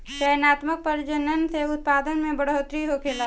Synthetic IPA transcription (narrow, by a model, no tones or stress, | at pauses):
ʃəjnaːt̪mək̚pəɾd͡ʒənənseʊt̪̚paːd̪ənmẽbəɽot̪ɾiɦokʰeːlaː